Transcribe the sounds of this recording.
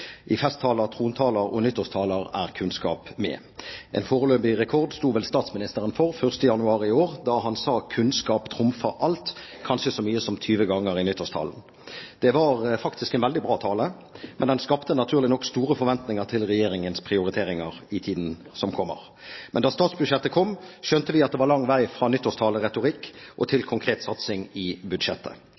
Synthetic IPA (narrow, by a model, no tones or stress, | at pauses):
ʔɪfɛst̪ʰːɑːləʁt̪ʰʁuːnt̪ʰɑːləʁɔ̰nʏt̪ːəst̪ʰɑːləʁæ̰ʁkʰʉnskɑ̰ːpmɛ̰ | ʔɛ̰nfoːʁløːpɪʁɛkʰɔʁd̪st̪uːʋɛlst̪ɑːt̪smɪnɪst̪əʁənfɔʁfœʁst̪əjɑnʉɑːʁɪɪoːʁd̪ɑɦɑnsɑːkʰʉnskɑːpt̪ʰʁʊmfɑʔɑlt̪kʰɑnʃəsɔmyːəsɔmt̪ʰyːʋəɡɑŋːəɾɪnʏt̪ːəst̪ʰɑ̰ln̩ | d̪̥ɛʋɑʁfɑkt̪ʰɪskɛnʋɛld̪ɪbʁɑːt̪ʰɑːlə | mɛnd̪ɛnskɑpt̪ənɑt̪ʰʉːʁlɪnɔkst̪uːɾəfɔɾʋɛnt̪nɪŋəʁt̪ʰɪlʁɛjeːʁɪŋənspʰʁɪʊɾɪt̪ʰeːʁɪŋəʁɪt̪ʰiːd̪n̩ | sɔmkʰɔmːə̰ʁ | mʔɛ̰nd̪ɑːst̪ɑːt̪sbʉd̪ʃjɛt̪ːəkʰɔmʃœnt̪əʋɪɑt̪̚d̪ɛʋɑʁlɑŋːʋæɪfʁɑːnʏt̪ːɔst̪ʰɑːləʁɛt̪ʊʁɪkːʔɔt̪ʰɪlkʰʊŋkʰʁeːt̪sɑt̪sɪŋɪbʉd̪ʃɛt̪ʰːə̰